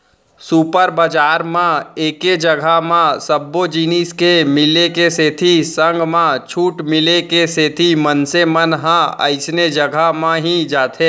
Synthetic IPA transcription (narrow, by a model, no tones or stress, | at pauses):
suːpəɾbəd͡ʒaːɾmãeːked͡ʒəɡʱamãsəbːod͡ʒiːniːskemɪlekeseːt̪ʰisə̃ŋɡmãt͡ʃʰuːʈmɪlekeseːt̪ʰimənsemənɦãə̰ɪsned͡ʒəɡʱamãɦid͡ʒaːt̪ʰẽː